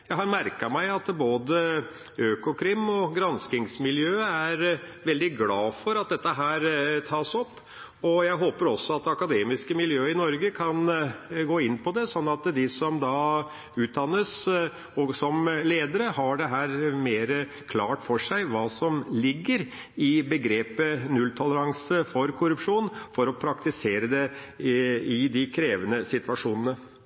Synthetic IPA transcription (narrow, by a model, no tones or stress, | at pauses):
jɑɦɑmæɾkɑɾmæɪɑt̪boːd̪ə | øːkʊkʰɾɪmːɔɡɾɑnskɪŋsmɪljøːəæɾʋɛld̪ɪɡlɑːfɔɾɑt̪̚d̪ɛt̪ːəɦæːɾt̪ʰɑːsɔpː | ɔjæɪɦoːpəɾɔsːɔɑt̪ɑkɑd̪eːmɪskəmɪljøːɪnɔɾɡəkʰɑnɡoːɪnːpʰɔd̪ɛsɔnːɑt̪d̪ɪsɔmd̪ɑ | ʉːt̪̚d̪ɑnːəs | ɔsɔmleːd̪əɾəhɑɖɛɦæːɾmeːɾə | kʰlɑːʈfɔʂæɪʋɑːsɔmlɪɡːəɾ | ɪbəɡɾeːpənʉlt̪ʰɔləɾɑŋsəfɔɾkʰʊɾʉpʂuːnfɔɾɔpʰɾɑkt̪ɪseːɾəd̪ɛ | ɪd̪ɪkʰɾeːʋənəsɪt̪ʋɑʂuːnənə